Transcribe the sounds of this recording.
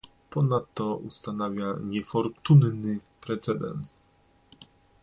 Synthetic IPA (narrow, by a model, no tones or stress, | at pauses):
pɔnat̪ːɔṵst̪anavʲjaɲɛfɔɾt̪unnɘ | pɾɛt̪sɛd̪ɛ̰ns